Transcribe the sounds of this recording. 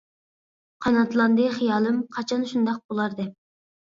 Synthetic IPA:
qʰɑnɑt̪lˠɑnd̪ɨχijɑːlˠɨmqʰɑt͡ʃʰɑnʃund̪ɑq̚bolˠɑɾd̪ɛp̚

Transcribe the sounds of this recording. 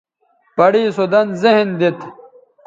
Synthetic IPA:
pɐɽiːsud̪ɐnzeɦnd̪it̪

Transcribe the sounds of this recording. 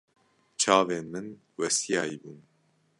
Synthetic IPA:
t͡ʃʰɑːveːnmɨn | wɛsijaːibuːn

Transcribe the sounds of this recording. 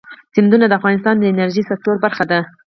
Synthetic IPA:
sɪnd̪unad̪əafɣɑnɪst̪ɑnd̪əɪnaɾʒisak̚t̪oɾbaɾxad̪a

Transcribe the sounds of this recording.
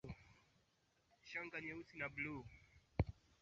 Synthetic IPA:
ʃaŋɡaɲɛusinablu

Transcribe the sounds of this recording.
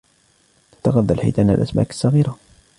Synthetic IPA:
t̪ːɑɣɑðˤːalħḭt̪ana̰lʔæ̰sma̰kə̥sːɑɣiːɾa

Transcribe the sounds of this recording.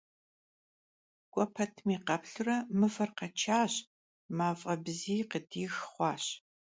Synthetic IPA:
kʷʼɔpʰɐtʰmiːqɐpɬɨrɐmɨfɐrqɐt͡ʃʰaːɕ | maːfʼɐbziːqədʰiːxχʷɑːɕ

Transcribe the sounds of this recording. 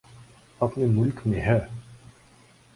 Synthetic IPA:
ɐpnemʊlkmẽɦɛː

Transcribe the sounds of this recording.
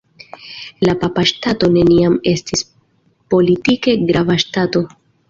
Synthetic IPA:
lapapaʃtato̞ne̞niame̞stis | po̞litike̞ɡɾavaʃtato̞

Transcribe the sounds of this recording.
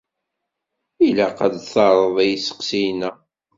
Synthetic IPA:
ilæqɑd̪θɑɾˤəðˤæjsə̥qsijnæ

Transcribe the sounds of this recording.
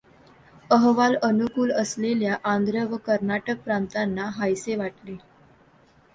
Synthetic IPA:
əɦʋalənukuːləsleljaʔand̪ɾəʋəkəɾnaʈək̚pɾant̪anːaɦajseʋaʈle

